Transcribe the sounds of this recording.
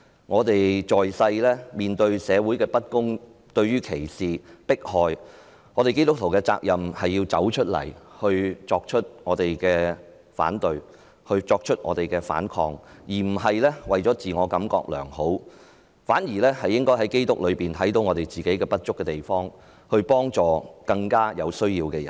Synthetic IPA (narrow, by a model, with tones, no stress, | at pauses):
ŋɔː˨˧t̪e˨jt͡ʃɔː˨jsɐ˧jlɛː˥miː˨˩nt̪ɵ˧ɥsɛː˨˧wuː˨˥jkɛː˧pɐ˥t̚kʊ˥ŋ | t̪ɵ˧ɥyː˥kʰe˨˩jsiː˨pɪ˥k̚hɔː˨˩j | ŋɔː˨˧ɾe˨jke˥jt̪ʊ˥k̚t̪ʰwkɛː˧t͡sa̰ː˧k̚jɐ˨mhɐ˨jːiː˧wt͡sɐ̰˨˥wt͡ʃʰɵ˥t̚lɐ̰˨˩jhɵ˧ɥt͡sɔː˧k̚t͡ʃʰɵ˥t̚ŋɔː˨˧t̪e˨jkɛː˧ | fa̰ː˨˥nt̪ɵ˨˧ɥ | hɵ˧ɥt͡sɔː˧k̚t͡ʃʰɵ˥t̚ŋɔ̰ː˨˧t̪e˨jkɛː˧fa̰ː˨˥nkʰɔ̰ː˧ŋjiː˨˩m̩˨˩ɦɐ˨jlɛː˥wɐ˨jt͡ʃɔː˨˥t͡siː˨ŋɔː˨˧kɐ˨˥mkɔ̰ː˧k̚lœ̰ː˨˩ŋho˨˥w | faː˨˥nji˨˩lɛː˥hɐ˨jːɪ˥ŋkɔː˥jɦɐ˨˥jke˥jt̪ʊ˥k̚lɵ˨˧ɥpiː˨nt̪ʰɐ˨˥jt̪̬o˨˥wŋɔː˨˧t̪e˨jt͡siː˨˩ke˨˥jkɛː˧pɐ˥t̚t͡ʃʊ˥kːɛː˧t̪e˨˩jfɔː˥ŋ | hɵ˧ɥpɔː˥ŋt͡sɔː˨kɐ˧ŋkaː˥jɐ˨˧wsɵ˥ɥjiː˧wkɛː˧jɐ˨˩n